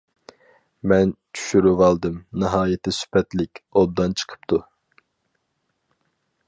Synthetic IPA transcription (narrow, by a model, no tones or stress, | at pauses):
mɛnt͡ʃʰy̥ʃyɾyvɑlˠd̪ɨmnɨɦɑːjɛt̪ʰːɪsy̥pʰɛt̪lɪkʲob̚d̪ɑnt͡ʃʰə̥qʰə̥pt̪ʰu